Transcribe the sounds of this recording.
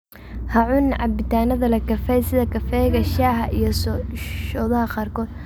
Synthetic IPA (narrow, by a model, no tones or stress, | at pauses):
hɐʕʊnʕɑbɪt̪ʰaːnɐðɐlɐkʰɐfɛjsɪðɐkʰɐfɛjɣɐʃaːhɐʔijɞsʃɔːðɐɦɐqɑːrkʰɔːd̪̥